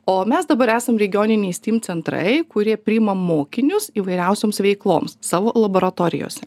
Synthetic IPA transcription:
oːmʲɛsd̪ɐbɐɾæːsɐmɾʲɛɡʲɪjoːnʲɪnʲɛɪsʲt̪ʲiːmt͡s̪ʲɛnt̪ɾɐ̰ɪkʊɾʲiɛpʲɾʲɪːɪmɐmoːkʲɪnʲʊsiːʋɐɪɾʲɛʊsʲoːmsʋʲɛɪklˠo̰ːmssɑːʋoːlˠɐboːɾɐt̪oːɾʲɪ̰jo̰ːsʲɛ

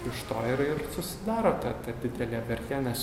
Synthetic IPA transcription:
ɪʃt̪oːɪɾɪrsʊsʲɪd̪ɑːɾoːt̪ɐt̪ɐd̪ʲɪd̪ʲɛlʲæːbʲɛɾʲk̪ʲænʲɛs

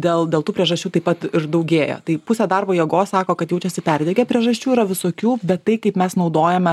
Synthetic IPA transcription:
d̪ʲeːlˠd̪ʲeːlˠtuːpʲɾʲiɛʒɐsʲt͡ʃʲuːt̪ɐɪpɐt̪ɪɾd̪ɐʊɡʲeːjo̰ːt̪ɐɪpʊsʲeːd̪ɑrboːjɛɡoːssɑːkoːkɐt̪jɛʊt͡ʃʲɛsʲɪpʲæɾʲd̪ʲɛɡʲɛpʲɾʲiɛʒɐsʲt͡ʃʲuːiɾɐʋʲɪsoːkʲuːbʲɛt̪ːɐɪkɐɪpmʲɛsnɐʊd̪oːjɛmʲɛ

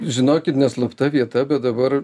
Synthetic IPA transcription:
ʒʲɪnoːkʲɪt̪nʲɛslˠɐpt̪ɐʋʲiɛt̪ɐbʲɛt̪̚d̪ɐbɐr

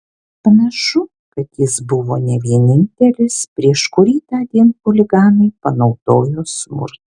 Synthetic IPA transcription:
pɐnɐʃʊ | kɐt̪jɪsbʊʋoːnʲɛʋʲiɛnʲɪnʲt̪ʲɛlʲɪspʲɾʲiɛʃkʊɾʲiːt̪ɑːd̪ʲiɛnkʊlʲɪɡɑːnɐɪpɐnɒʊd̪̥oːjoːsmʊ̰ɾt̪

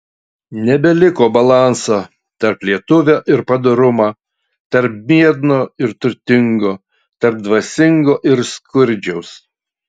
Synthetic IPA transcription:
nʲɛbʲɛlʲɪkoːbɐlˠɑˑnsoː | t̪ɐɾplʲiɛt̪ʊʋʲoːʔɪɾpɐd̪oɾʊmɑː | t̪ɐɾp̚mʲiɛd̪noːɪɾt̪ʊɾʲt̪ʲɪŋɡoː | t̪ɐɾp̚d̪ʋɐsʲɪŋɡoːʔɪɾskʊɾʲd͡ʒʲɛʊs

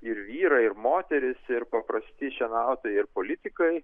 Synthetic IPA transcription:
ɪɾʋʲiːɾɐɪɾmoːt̪ʲɛɾʲɪsɪɾpɐpɾɐsʲt̪ʲɪʃʲɛnɐʊt̪oːjɛɪɾpoːlʲɪt̪ʲɪkɐɪ

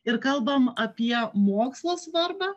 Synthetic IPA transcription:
ɪɾkɐlˠbɐmɐpʲiɛmoːkslˠoːsʋɐɾbɑ

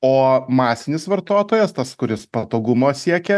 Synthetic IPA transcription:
oːmɑːsʲɪnʲɪsʋɐɾt̪oːt̪oːjɛst̪ɐskʊɾʲɪspɐt̪oːɡʊmoːsʲiɛkʲɛ

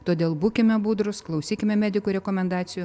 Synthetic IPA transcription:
t̪oːd̪ʲeːlˠbuːkʲɪmʲɛbuːd̪ɾʊsklˠɐʊsʲiːkʲɪmʲɛmʲæːd̪ʲɪkuːɾʲɛkoːmʲɛnd̪ɑːtsʲɪjuː

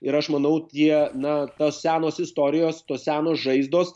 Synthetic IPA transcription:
ɪɾɐʃmɐnɐʊt̪ʲiɛnɐt̪oːssʲæːnoːsɪst̪oːɾʲɪjoːst̪oːssʲæːnoːsʒɐɪzd̪oːs

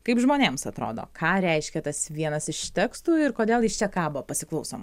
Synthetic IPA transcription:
kɐɪpʒmoːnʲeːmsɐt̪ɾo̰ːd̪o̰ːkʰɑːɾʲɛɪʃʲkʲɛt̪ɐsʋʲiɛnɐsɪʃt̪ʲɛkst̪uːɪɾkoːd̪ʲeːlˠjɪst͡ʃʲɛkɑːbʊʋopɐsʲɪklˠɐʊso̰ːmɐ

